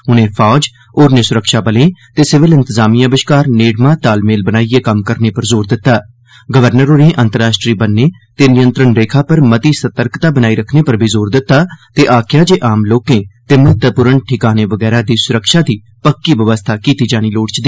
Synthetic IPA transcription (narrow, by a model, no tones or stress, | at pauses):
ʊnẽːpʰaːd͡ʒ | oːɾnɪsʊɾəkʃaːbəlẽːt̪eːsɪʋɪlɪ̃nt̪əzaːmijãːbɪʃkaːɾneːɖmãːt̪aːlmeːlbənaːieːkəmkəɾneːpəɾzoːɾd̪ɪt̪ːaː | ɡəʋəɾnəɾoːɾẽːʔə̃nt̪əɾaːʃʈɾiːbənːeː | t̪eːnɪjənt̪ɾəɳɾeːkʰaːpəɾmət̪iːsət̪əɾkt̪aːbənaːiːɾəkʰneːpəɾbʱiːzoːɾd̪ɪt̪ːaːt̪eːʔaːkʰjaːd͡ʒeːʔaːmloːkẽːt̪eːmət̪əpʊɾəɳʈʰɪkaːneːʋəɡɛːɾaːd̪iːsʊɾəkʃaːd̪iː | pəkːiːʋəʋəst̪ʰaːkiːt̪iːd͡ʒaːɽ̃iːloːɽt͡ʃd̪iː